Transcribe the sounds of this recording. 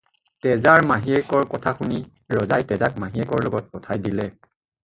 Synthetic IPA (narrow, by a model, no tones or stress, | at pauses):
tɛzaɹmaɦiɛkɔɹkɔtʰaxuni | ɹɔzajtɛzak̚maɦiɛkɔɹlɔɡɔt̚kɔtʰajdilɛ